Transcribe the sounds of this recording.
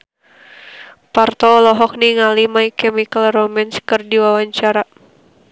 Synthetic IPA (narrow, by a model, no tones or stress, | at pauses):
part̪ɔlɔɦɔk̚niŋalimaikɛmikalrɔmɛnskɨrdiwawaɲt͡ʃaɾa